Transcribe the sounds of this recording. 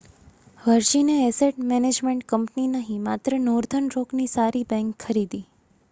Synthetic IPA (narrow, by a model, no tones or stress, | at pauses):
ʋəɾʃineɛseʈ̚mɛned͡ʒmeɳʈkəmpninəɦĩmat̪ɾənoɾd̪ʱənɾoknisaɾibɛ̃ŋkʰːəɾid̪i